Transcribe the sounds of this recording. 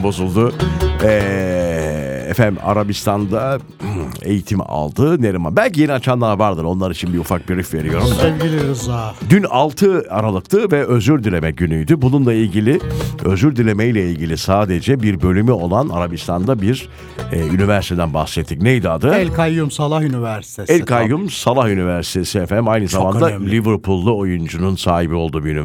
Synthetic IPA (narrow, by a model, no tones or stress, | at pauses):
bo̞zulˠd̪ʊɛ | ɛ̰fæa̰ɾabist̪ʰand̪a | e̞̰jit̪ʰim̰a̰lˠd̪ɯneɾima̰nbælʲcije̞niat͡ʃʰand̪ˠaavaɾd̪ɯɾo̞nlˠaɾit͡ʃʰinbiufak̚biɾyfve̞ɾijo̞ɾumssɛvɡilʲɾizad̪ynalˠt̪ʰɯaɾalˠɯkt̪ʰɯvɛʔøzyɾd̪ylʲe̞mɛɟynyjd̪ybununlˠailʲɟilʲɪø̞zyɾd̪ylʲe̞mejlʲɛilʲɟilʲisaːd̪e̞d͡ʒɛbiɾbø̞lʲymyo̞lˠanaɾabist̪ʰand̪abiɾ | ɛːynivæɾsit̪ed̪ænba̰hsɛt̪ʰːicnejd̪ad̪ɯɛlʲkʰajːumsalˠahynivæɾsi̥t̪ʰeɛlʲkajːumsalˠahynivæɾsi̥t̪ʰesiɛfɛmajnɯzamand̪alʲivɯɾpʰulˠːuo̞jund͡ʒununsaːɦibio̞lˠd̪uːbiyni